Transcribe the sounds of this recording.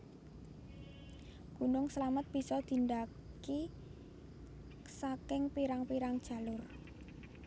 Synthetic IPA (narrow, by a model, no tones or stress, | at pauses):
ɡ̥ṳnʊŋsəlamət̪̚b̥i̤sɔd̪̥i̤nd̪a | ki | sakɪŋpiɾaŋpiɾaŋd̥ʒ̥a̤lʊr